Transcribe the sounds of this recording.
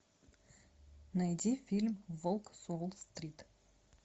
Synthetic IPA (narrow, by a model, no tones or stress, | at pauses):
nɐjd̪ʲifʲilʲmvolˠksolˠst̪rʲit̪